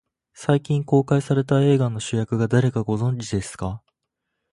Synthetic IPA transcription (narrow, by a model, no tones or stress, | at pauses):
saikʲĩŋko̞ːkaisaɾe̞t̪ae̞ːɡanːo̞ɕɨjakɯ̟ɡad̪aɾe̞kaɡo̞zõ̞ɲd͡ʑid̪e̞sɨ̥ka